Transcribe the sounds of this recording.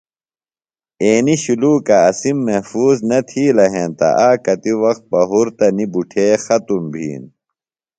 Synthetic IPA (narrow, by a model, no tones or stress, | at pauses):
eːniɕuluːkɐːsimːɐhfuːznɐt̪ʰiːlɐɦẽːnt̪ɐ̰ʔaːkɐt̪iwɐxt̪̚bɐɦuɾt̪ɐnibuʈʰeːxɐt̪umbʱḭːn